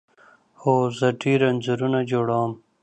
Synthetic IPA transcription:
hoːzɐʈiːɾɐnzuɾunad͡ʒoɽɑːm

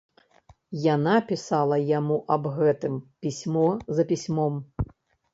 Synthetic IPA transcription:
janapʲisalˠɐjamuʔɐbɣɛt̪ɨmpʲisʲmɔzɐpʲisʲmɔm

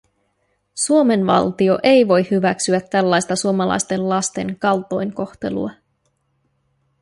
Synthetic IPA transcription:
suo̞me̞nʋɑ̰lt̪io̞ʔe̞jʋo̞jhyʋæksyæt̪ːælːɑjst̪ɑsuomɑlɑ̰jst̪e̞llɑst̪e̞̰ŋkɑlt̪o̞jŋko̞xt̪e̞̰lṵɑ

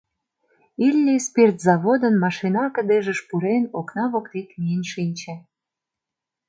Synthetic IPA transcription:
ilʲnʲespert̪zɑβod̪ənmɑʃinɑkə̆d̪eʒə̆ʃpuɾenoknɑβokt̪ekmiənʃinʲt͡ɕĕ

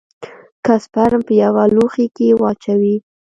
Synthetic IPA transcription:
kaspaɾampəjawaloxikewɑt͡ʃawi

